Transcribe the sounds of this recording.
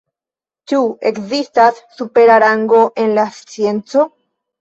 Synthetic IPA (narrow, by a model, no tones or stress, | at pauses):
t͡ʃuekzist̪asːupeɾaɾaŋɡo̞ʔe̞nlast͡sjent͡so̞